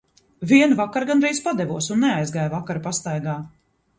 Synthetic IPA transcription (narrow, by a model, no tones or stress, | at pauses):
viɛnvakaɾɡanɾɛjspad̪ɛvuɔsunːɛajzɡaːjvakaɾpast̪ajɡaː